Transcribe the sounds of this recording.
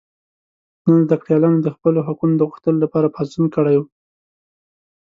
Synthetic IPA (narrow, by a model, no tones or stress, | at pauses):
nənzd̪akɽjɑlɑnod̪əxpəloɦakunod̪əɣuxt̪əlolapɑɾapɑst̪unkəɽaju